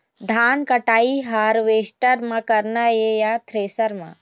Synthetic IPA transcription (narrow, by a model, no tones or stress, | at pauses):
ɖʱaːnkəʈaːiɦaːɾʋeːsʈəɾmãkɐɾnajejat̪ʰɾeːsəɾmã̰